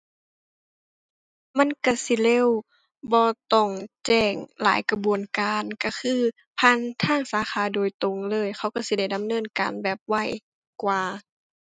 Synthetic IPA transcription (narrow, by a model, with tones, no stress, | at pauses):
ma˧˥˨nka˧˩si˧˦le˧˥˨w | bɔː˧t̪ɔ˧˩ŋt͡ɕɛː˧˩ŋla̰ː˨˦jka˧bu˨ənkaː˨nka˧˩kʰɯː˧ | pʰa˧˥˨nt̪ʰaː˧˥˩ŋsaː˨˦xaː˨˧˦doː˨˩jt̪o˧˨ŋlɤː˧˥˨jxʰa˧˩˨wka˧˩si˧˦da˧˩jda˨˦mnɤː˧˥˨nka̰ː˨nbɛː˨˩p̚wa˧˥˩j | kwaː˧